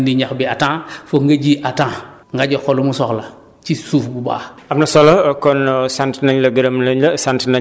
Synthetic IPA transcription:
ndiɲaxbiatãːfoŋɡɐɟiʔatãː | ŋɡaɟoxolumusɔxlɐ | t͡ʃisuːfbuba̰ːabnɐsolokɔnsantnaɲlɐɡɐɾɐmlɐɲlɐsantna

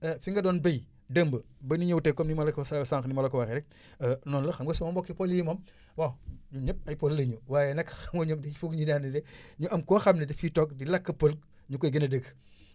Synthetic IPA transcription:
ɐfiŋɡɐdɔːnbɐj | dəmbəbɐniɲɐwtɛkːɔmnimɐlkssaːŋxnimɐlokɐwaxɛɾɛk̚ː | nɔːnlɐxɐmɡosɔmɐmbɔkːipɔljimɐm | wawɲuɲɐp̚ɐjpollɐɲuwaːjɛnɐkxɐmɡoɲomdifuɡɲuɲandidɛɲuʔɐmkɔxɐmnɐdifitɔk̚dilɐkːɐpəlk̚ | ɲukɔjɡənɐdəɡ

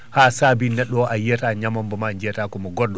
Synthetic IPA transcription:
hasaːbinɛɗːɔʔajɛtaɲamambɔmaɲd͡ʒɛtakɔmɔɡɔrdɔ

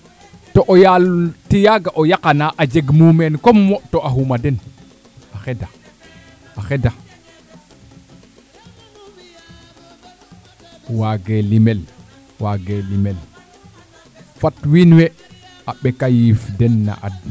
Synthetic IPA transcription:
toʔojaltijaɡaʔojakanaʔad͡ʒeɡmumenkomːotoʔaɦumaden | axeda | axeda | waɡelimel | waɡelimel | fatwinwe | aɓekajifdenːa̰ʔa̰d

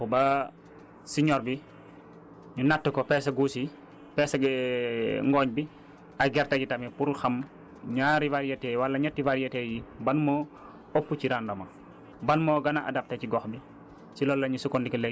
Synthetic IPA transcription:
bɐ | siɲɔɾbi | ɲunatːukɔpɛsɐɡuːsi | pɛsɐ | ŋɡɔɲbi | ɐɡɛɾtɐkitɐmipuɾxɐm | ɲaːɾivaɾijɛtɛwɐlːɐɲɐtːivaɾijɛtɛjibɐnmɔ | opːuciɾandɔmɐ | bɐnmɔɡɐnaʔa̰dɐp̚tɐciɡɔxbi | silɔːlːɐɲusukɔndikɐlɛ

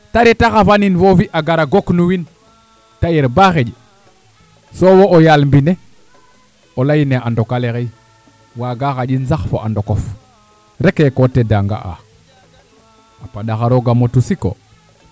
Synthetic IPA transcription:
taɾetaxafaninfofiʔaɡaɾaɡoknuwin | tajeɾbaxed͡ʒi | sowoojalmbine | olajineandokaleɣej | waɡaxaʄinsaxfo̰ʔa̰ndokof | ɾekekotedaŋɡa̰a̰ | apaɗaxaɾoɡamotusiko̰

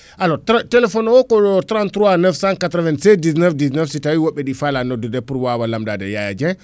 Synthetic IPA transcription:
ʔalɔtatɛlɛfɔnɔkɔɔtɾantɾuanɛfsankatɾɔvɛnsɛdis̬nɛfdisnɛfsitawiwɔɓːɛɗifalanɔdudɛpuɾwawalamdadɛ̰jaja̰d͡ʒɛ

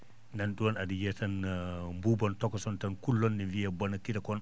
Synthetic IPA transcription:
ndanɗuwɔnadijɛtanmbubɔntɔkɔsɔntankulːɔndinvijabɔnakitakɔn

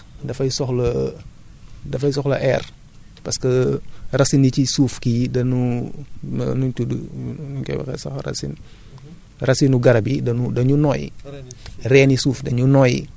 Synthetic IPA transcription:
dɐfɐjsɔxlɐ | dɐfɐjsɔxlɐʔɛːr | pɐskɐrɐsinːicisuːfkidɐnṵ | nut͡ʃudnukɛ̰wɛ̰kɛ̰sɐ̰xrɐ̰sḭn | rɐsinuɡɐɾɐbidɐnudɐɲunɔːjḭ | rɛːnisuːfdɐɲunɔjḭ

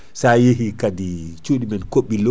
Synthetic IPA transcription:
sajeɦikadit͡ʃuːɗimɛnkoɓːilo

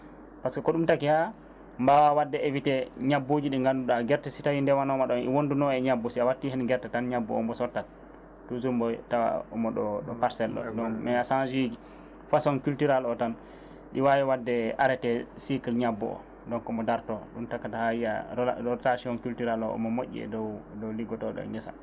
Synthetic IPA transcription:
paskɔkɔɗumtakiha | mbawawadːɛevitɛɲabːod͡ʒiɗiŋɡanduɗaɡɛɾtɛsitawindɛwanɔmaɗɔnʔḭwondunɔɛɲabːɔsiawatːihɛnɡɛɾtatanɲabːɔ̰ɔ̰mbɔsɔtːa | tːuzumbɔtawa̰ɔmɔɗɔɗɔpaɾsɛlːɔ̰dɔnmɛasand͡ʒiɡi | fasɔnkultiɾalɔtan | ɗiwajɛwadːɛaɾɛtɛsikilɲabːɔ̰ɔ̰ | dɔŋkɔmɔdaɾtɔɗumtakːatahawiaɔtaʃiɔnkultiɾalɔʔɔ̰mɔmoʔːḭɛ̰dɔwdɔwliɡɔtɔɗɔ̰ɲɛsa̰

